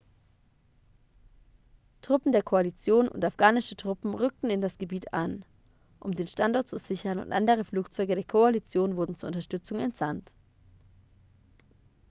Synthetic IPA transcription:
tʁ̥ʊpm̩deːɐkʰoalit͡sjoːnʊ̰ntafɡ̥aːnɪʃətʁ̥ʊpm̩ʁʏk̚tn̩ɪndasɡ̥əbiːta̰n | ʔʊmdeːnʃtantɔɐt̚t͡suz̥ɪçɐnʊ̰ntʔa̰ndəʁ̞əfluːkt͡sɔʏɡəɾeːɐkʰoalit͡sjoːnvʊɐdn̩t͡suːɐʔʊnt̬ɐʃtʏt͡sʊŋɛ̰ntz̥ant

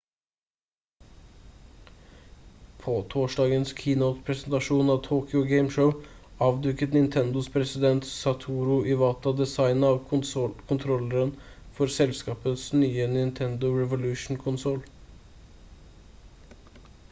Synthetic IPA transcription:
pʰoːt̪ʰoːʂɖɑːɡənskʰiːnəʊt̪pʰɾɛsənt̪ɑʂuːnɑʋt̪ʰoːkʏʊɡeɪmʂəʊ | ɑːʋd̪ʉkːət̪nɪnt̪ʰɛnd̪ʊspʰɾɛsɪd̪ɛnt̪sɑt̪ʰuːɾʊʔɪʋɑːt̪ʰɑd̪ɛsɑɪnɑːʋkʰʊnt̪ʰɾɔləɾən | fɔɾsɛlskɑːpəsnyːənɪnt̪ʰɛnd̪ʊɹɛʋʊlʉːʂn̩kʰʊnsɔl

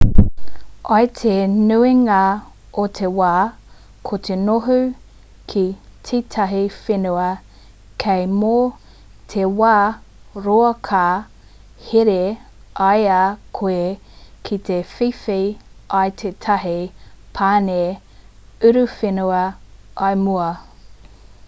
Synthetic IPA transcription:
ɐjt̪ʰenʉiŋɐ | ot̪ʰewaː | kʰotʰenoɦʉ | kʰit͡sʰit̪ʰɐɦifenuɐ | kʰejmo | t̪ʰewaːɾoɐkʰa | heɾe | ajakʰoe | kʰit̪efifiɐjtʰet̪ʰɐɦipʰaːne | ʉɾʉfenuɐɐjmuɐ

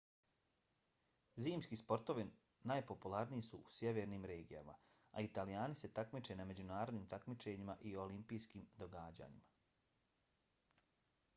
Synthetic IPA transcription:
ziːmskiːspo̞ɾt̪o̞ʋi | naːjpo̞pulˠaɾnijisuusjeʋe̞ːɾniːmɾe̞ːɡija̰ma̰ | a̰it̪alijaːnise̞t̪akmit͡ʃe̞name̞d͡ʑunaːɾo̞d̪niːmt̪akmit͡ʃe̞ɲimaʔio̞limpijskiːmd̪o̞ɡaːd͡ʑa̰ːɲima

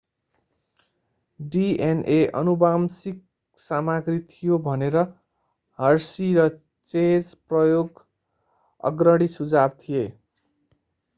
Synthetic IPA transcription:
ɖienʔeʔʌ̰nubamsik̚ | samaɡrit̪ʰijobʱʌneɾʌ | ɦʌrsiɾʌ | t͡sed͡zprʌjoɡ | ʌ̰ɡrʌɽisud͡zab̚t̪ʰije

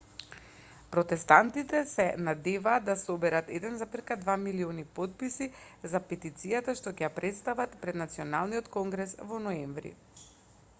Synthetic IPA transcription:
pɾɔt̪ɛst̪ant̪it̪ɛsɛnad̪ɛvaːd̪asobɛɾat̪ɛd̪ɛnzapiɾkad̪vamilionipot̪̚pisizapɛt̪it̪sijat̪aʃt̪ɔcɛjapɾɛt̪st̪avat̪pɾɛd̪nat̪siɔnalˠniɔt̪kɔŋɡɾɛsvɔnɔɛɱvɾḭ

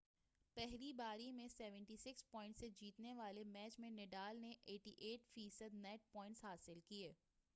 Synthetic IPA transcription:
pɛɦlibaːɾimẽsɛːʋə̃ɳʈisɪkspɔːɪ̃ɳʈsed͡ʒiːt̪neʋaːlemɛːt͡ʃmẽneɖaːlneʔeːʈiʔeːʈfiːsəd̪nɛːʈ̚pɔ̃ːɪ̃ɳʈsɦaːsɪlkieː

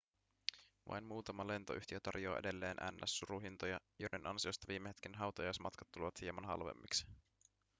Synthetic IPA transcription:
ʋɑ̰jnmuːt̪ɑmɑle̞nt̪oʔyht̪iøt̪ɑ̰rjo̞̰ːe̞̰de̞lːe̞ːnʔæ̰nːæ̰sːuɾuɦint̪ojɑjojdenʔɑnsio̞st̪ɑʋiːmːeɦet̪kinɦɑwt̪ɑjɑjsmɑt̪kɑ̥t̪ːuleʋɑt̪hiemɑnɦɑ̰lʋḛmːiksi̥

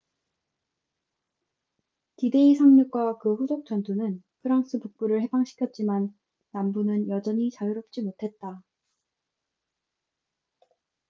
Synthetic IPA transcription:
tide̞isʰaŋɲuk̚k͈wakɯɸud͡ʑok̚t͡ɕ͈ʌntʰunɯnpʰɯɾaŋs͈ɯpuk̚p͈uɾɯɭhe̞baŋɕʰi̥kʰjʌt̚t͡ɕ͈imanː | ambunɯnjʌd͡ʑʌɲit͡ɕajɯɾʌp̚t͡ɕ͈imotʰe̞t̚t͈a

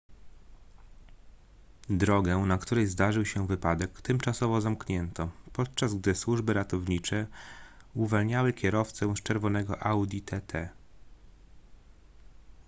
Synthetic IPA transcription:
d̪ɾɔɡɛnakt̪uɾɛjzd̪aʐɘwɕɛvɘpad̪ɛkt̪ɛmt͡ʂasɔvɔzamkɲɛnt̪ɔpɔt̪̚t͡ʂazɡd̪ɘswuʐbɘɾat̪ɔvɲit͡ʂɛ | uvalɲawɘkʲɛɾɔft̪sɛ̃st͡ʂɛɾvɔn̪ɛɡɔʔawd̪ʲit̪ʰɛt̪ʰɛ

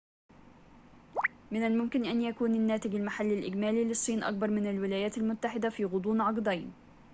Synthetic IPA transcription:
mɪnalmʊmkɪnʔanjakuːnanːaːt̪ɪɡalmaħalːalʔɪɡmaːliːlɪsˤːiːnʔa̰k̚bɑɾˤmɪnalwɪlaːjaːt̪almʊt̪ːaħɪd̪afiːɣʊd̪ˤuːnʕɑqd̪ˤajn

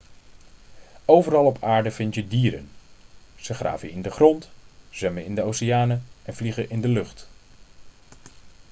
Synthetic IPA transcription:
owvəɾɑlˠɔpʰaːɹdəvɪntjədiːɾə̰n | z̥əχra̰ːvəjəɪndəχrɔntz̥ɛməɪndəowsɪjaːnəɛnvliχəʔɪndəlɵχt

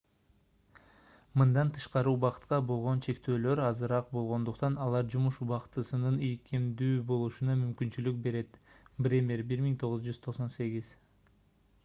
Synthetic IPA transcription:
mɯnd̪ɑnt̪ʰɯ̥ʃqɑɾɯuβɑqɯ̥t̪qɑbo̞lˠʁo̞nt͡ʃʰe̞kt̪ø̞ːlø̞ɾɑzɯɾɑq̚bo̞lˠʁo̞nd̪uqt̪ɑnɑlˠɑɾd͡ʒumuʃuβɑqt̪ɯsɯnɯnikʰimd̪yːbo̞lˠuʃunɑmymkynt͡ʃylyk̚be̞ɾe̞t̪brʲemʲerbiɾmiŋt̪ʰo̞ʁuzd͡ʒyz̥t̪ʰo̞qso̞nse̞ɡʲiz̥

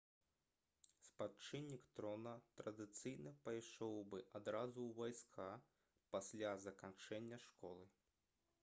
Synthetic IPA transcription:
spat͡ʂɨnʲːikt̪ɾɔnɐt̪ɾɐd̪ɨt̪sɨjnɨpajʂɔwbɨʔad̪ɾazuwvajskʰa | pasʲlʲazɐkant͡ʂɛnʲːɐʂkɔlˠɨ

